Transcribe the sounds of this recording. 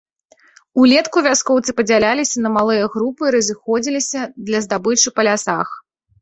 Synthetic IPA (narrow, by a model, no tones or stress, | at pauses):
ulʲɛt̪kuvʲaskɔwt̪sɨpɐd͡zʲalʲalʲisʲɐnɐmalˠɨjɐɣɾupɨɾɐzʲɨxɔd͡zʲilʲisʲɐd̪lʲɐzd̪abɨt͡ʂɨpɐlʲasa̰x